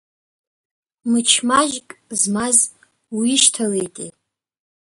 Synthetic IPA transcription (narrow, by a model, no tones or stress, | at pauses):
mɨt͡ʃʰmaʒkʼzmaz | wiiʃtʰalejtʼḛ